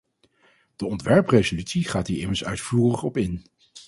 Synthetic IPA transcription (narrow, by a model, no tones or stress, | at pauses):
d̥əɔntʋɛɹprejzolytsiχaːtiːɹɪməɹsœ̰ɥtfuːrəχɔpɪn